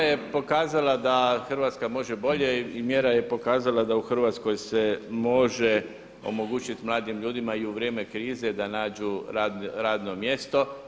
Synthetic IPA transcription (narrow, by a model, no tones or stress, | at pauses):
jepo̞kaːzalad̪axr̩ʋat̪skamo̞ʒebo̞ʎeimjeɾaje̞po̞kaːzalad̪auxr̩ʋat̪sko̞jsemo̞ʒe | o̞̰mo̞ɡuːt͡ʃit̪mlˠaːd̪imʎuːd̪imaiuʋɾjeːme̞kɾiːzed̪anaːd͡ʒuɾaːd̪nɾaːd̪no̞mje̞st̪o̞